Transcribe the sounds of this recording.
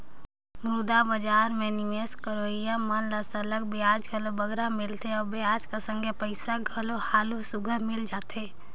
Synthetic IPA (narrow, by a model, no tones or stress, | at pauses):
mɾud̪abəd͡ʒaːɾmẽnɪmeskəɾoːijamənləsələɡ̚bɪjaːd͡ʒɡʱəlobəɡɾamɪlt̪eɔːɾbejaːd͡ʒkasə̃ŋɡʱepəɪsaɡʱəlohaːlusʊɡʱəɾmɪld͡ʒaːt̪eː